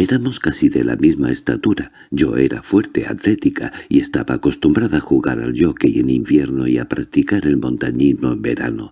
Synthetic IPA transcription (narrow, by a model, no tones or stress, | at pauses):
eɾamo̞skasiðe̞la̰mizmae̞st̪at̪uɾa | ɟ͡ʝo̞e̞ɾa̰fwe̞ɾt̪e̞a̰t̪le̞t̪ikʰaie̞st̪aβaːko̞st̪umbɾaðaːxuɣaɾa̰lʎo̞keienimbje̞ɾnoiapɾak̚t̪ikaɾe̞lmõ̞nt̪aɲizmoembe̞ɾa̰no